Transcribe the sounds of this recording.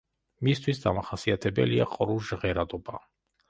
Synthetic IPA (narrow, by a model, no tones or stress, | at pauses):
mist̪ʰwisd̪amaχasiat̪ʰɛbɛ̰liaqʼɾuʒʁɛɾad̪ɔba